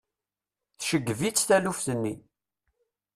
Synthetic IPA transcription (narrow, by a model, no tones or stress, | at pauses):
θʃəɡːəvit͡sːθælufθənːi